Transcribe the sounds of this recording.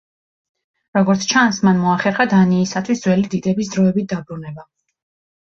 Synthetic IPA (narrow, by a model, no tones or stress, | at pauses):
ɾɔɡɔɾt̪sʰt͡ʃʰansmanmɔaχɛɾχad̪aniːsat̪ʰwisd̪zwɛlid̪id̪ɛbisd̪ɾɔɛbit̪̚d̪abɾunɛba